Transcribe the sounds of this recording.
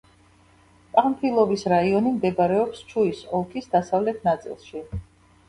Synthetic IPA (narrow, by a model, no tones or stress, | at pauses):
pʼampʰilˠɔvisɾaiɔnimd̪ɛbaɾɛɔpst͡ʃʰuisɔlˠkʰisd̪asavlɛt̪ʰnat̪sʼḭlˠʃi